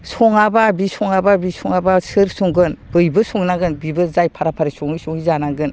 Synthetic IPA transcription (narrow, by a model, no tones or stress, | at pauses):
sɔŋababisɔŋababisɔŋabasɯɾsɔŋɡɯnb̥ɯjbɯsɔŋnaɡɯnbibɯzajpʰaɾapʰaɾisɔŋɯsɔŋizanaɡɯn